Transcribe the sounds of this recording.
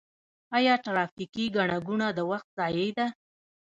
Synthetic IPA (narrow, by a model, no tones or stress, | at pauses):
ɑjɑʈɾɑfikiɡaɳaɡunad̪əwaxt̪̚zɑjəjd̪a